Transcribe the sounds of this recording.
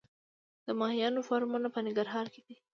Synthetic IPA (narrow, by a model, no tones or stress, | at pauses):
d̪̥əmɑhijɑnofɑɾmunapənɪŋɡaɾɦɑɾked̪̥i